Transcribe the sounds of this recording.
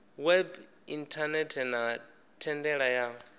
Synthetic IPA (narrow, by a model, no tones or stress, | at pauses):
wɛb | intʰanɛtʰɛna | tʰɛndɛɺaja